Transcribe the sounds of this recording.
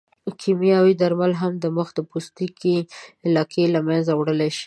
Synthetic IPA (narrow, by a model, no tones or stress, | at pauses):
kʰimijɑwid̪aɾmalɦamd̪əməxd̪əpost̪ikeːlɑkʰelamanzawɽəleʃi̥